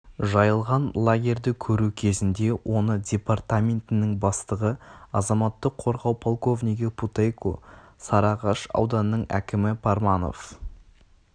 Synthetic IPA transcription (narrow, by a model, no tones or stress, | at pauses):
ʒɑjəlˠʁɑnlˠaɡʲe̞rʲd̪ɪkʲʰɵɾukʲʰe̞zɪnd̪e̞wʔo̞nədʲe̞part̪amʲe̞nt̪ɪnɪŋbɑst̪əʁəɑzɑmɑt̪ːəqʰo̞ɾʁɑwpʰolˠko̞vnʲiɡʲɪpʰut̪ejkʰo̰ | sɑɾɑʁɑʃɑ̰wd̪ɑnəːəɴæ̰kʲɪmɪpʰaɾmɑno̞̰f